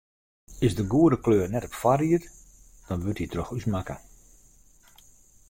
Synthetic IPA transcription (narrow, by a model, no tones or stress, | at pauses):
ɪsdəɡuədəkløːrnɛtɔpfariət | d̥ɔnʋøtitrɔxysmakə